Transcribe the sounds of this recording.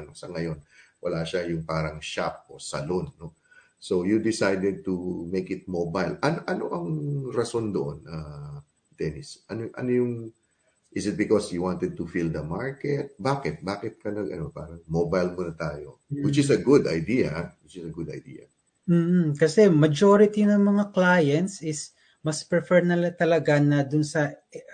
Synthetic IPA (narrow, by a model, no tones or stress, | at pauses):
ʔɐno̞sɐŋɐjo̞nwɐlaːʃajʊŋpaːɾɐŋʃap̚ʔo̞sɐ̰lonːo | so̞wjud̪ɪsajd̪ɛd̪̚t̪umejkɪt̪̚mobajlʔɐnoʔɐno̞̰ʔɐŋɾɐso̞nd̪oʔonɐ | t̪ɛnɪsʔɐnoʔɐ̰nojʊŋ | ʔɪsɪt̪̚bɪkosjuwant̪ɛd̪̚t̪ufild̪ɐmaɹkɛt̪̚baːkɪt̪̚baːkɪt̪̚kɐnɐɡɐ̰nopa̰ːɾɐŋmobɐjlmonɐt̪aːjo̞̰wɪt͡ʃɪsɐɡʊd̪ɐ̰jd̪ijɐ̰wɪt͡ʃɪsɐɡʊd̪ɐ̰jd̪ḭːjɐ̰ | m̩ːkɐsɛmɐd͡ʒoɾɪt̪inɐŋmɐŋaklaːjɛnt̪sɪs | mɐspɹɛfɛɹnɐlɐt̪ɐlɐɡanɐd̪ʊnsɐ